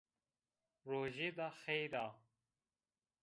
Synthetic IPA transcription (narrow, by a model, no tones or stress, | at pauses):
ɾoːʑed̪axejɾaː